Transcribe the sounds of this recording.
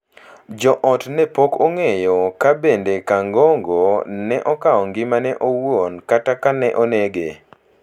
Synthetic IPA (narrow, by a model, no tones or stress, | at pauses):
d͡ʒɔʔɔtnɛpokoŋejɔkabendekaŋɡɔŋɡonɛʔɔkaɔŋɡɪmanɛʔowonkatakanɛʔoneɡḛ